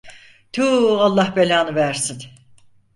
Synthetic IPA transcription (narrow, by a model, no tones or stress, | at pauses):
t̪ʰualˠːahbelʲaːnɯvæɾsin